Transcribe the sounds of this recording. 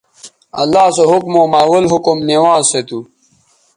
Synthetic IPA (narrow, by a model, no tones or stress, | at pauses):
ɐlːaːsoɦukmoːmaːwɐlɦukumniwaːzset̪u